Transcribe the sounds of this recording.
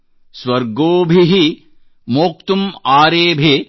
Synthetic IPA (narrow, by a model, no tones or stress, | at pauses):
swɐɾɡoːbʱiɦi | moːk̚t̪umaːɾeːbʱe